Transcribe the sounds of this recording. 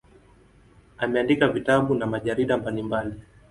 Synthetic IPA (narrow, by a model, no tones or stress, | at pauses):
amɛandikavitaɓunamaʄaɾiɗambalimbali